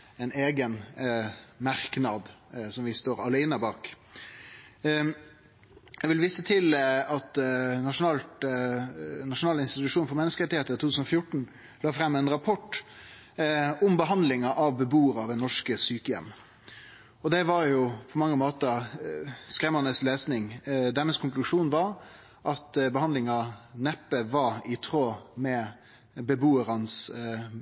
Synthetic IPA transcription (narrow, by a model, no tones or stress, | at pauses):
ɛneːɡən | mɑɾknɑd̪sɔmʋɪst̪oːɾɑlæɪnəbɑːk | jæɡʋɪlʋiːsət̪ʰɪlɑt̪nɑʂʊnɑːlt̪ | nɑʂʊnɑːlɪnst̪ɪt̪ʉʂuːnfɔɾmɛnəskəɾɛt̪ːɪheːt̪ət̪ʰut̪ʰʉːsnɔfjʊʈɳ̩ | lɑːfɾɛmːɛnɾɑpʰɔʈː | ʊmbəɦɑnd̪lɪŋɑʔɑʋbəbuːəɾɑːʋɛnɔʂkəsyːkəjɛ̰mː | ɔd̪ɛʋɑɾjʊpʰɔmɑŋːəmoːt̪ə | skɾɛmənəsleːsnɪŋd̪æməskʰʊŋklʉʂuːnʋɑɾ | ʔɑt̪bəhɑnd̪lɪŋɑnɛpːəʋɑɾɪt̪ʰɾoːmɛ | bəbuːəɾɑns